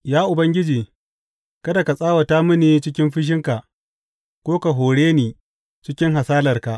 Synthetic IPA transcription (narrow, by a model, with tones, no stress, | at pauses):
jaː˦ʔʊ˨bɐ˦ŋɡʲɪ˦d͡ʒiː˨ | kɐ˦da˨ka˨sʼaː˦wa˨ta˦mʊ˦niː˨t͡ʃɪ˦k̬ʲɪ˦mɸɪ˦ʃ̬ɪ˦ŋka˨ʔ | kʷoː˦ka˨ɦoː˨ɽeː˦niː˨ | t͡ʃɪ˦kʲɪ˦ŋɦa˨saː˦lɐ˨rka˨ʔ